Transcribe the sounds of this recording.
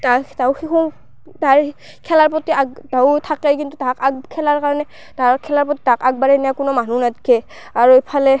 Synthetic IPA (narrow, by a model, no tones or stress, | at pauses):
tatawxikɔ | taɹ | kʰɛlaɹpɔtiaɡtatʰakɛkintutakaɡkʰɛlaɹkaɹɔnɛ | taɹkʰɛlaɹpɔtitakaɡ̚baɹɛnijakʊnɔmanunadkʰɛ | aɹuejpʰalɛ